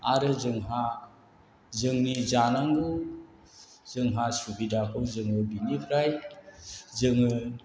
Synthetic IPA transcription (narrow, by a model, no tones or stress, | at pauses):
aɾɯzɯŋɦa | zɯŋnizanaŋɡu | z̥ɯŋɦasubidakʰɯwzɯŋɯbinipʰɾaj | zɯŋɯ